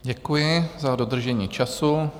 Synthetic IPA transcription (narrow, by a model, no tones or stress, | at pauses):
ɟɛkujɪzadod̪r̩ʒɛɲiːt͡ʃasu